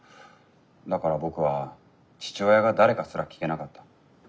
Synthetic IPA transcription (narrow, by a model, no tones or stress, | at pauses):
d̪akaɾabo̞kɯ̟βa | t͡ɕi̥t͡ɕojaɡad̪aɾe̞kasɨɾakʲi̥ke̞nakat̪ːḁ